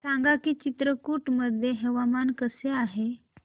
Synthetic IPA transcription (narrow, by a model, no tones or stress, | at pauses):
saŋɡakiːt͡ɕit̪ɾəkuʈməd̪ʱjeɦeʋamankəseaɦe